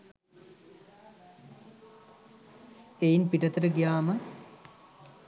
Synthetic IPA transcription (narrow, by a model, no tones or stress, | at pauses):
ejinpiʈɐt̪əɾəɡijaːmə